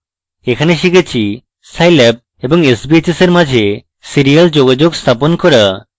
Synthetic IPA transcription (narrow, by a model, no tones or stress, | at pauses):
ekʰaneʃikʰet͡ɕʰi | sajlɛp̚ | eboŋesbiet͡ʃeseɾmad͡ʑʱe | siɾijald͡ʑoɡad͡ʑoɡst̪ʰaponkɔɾa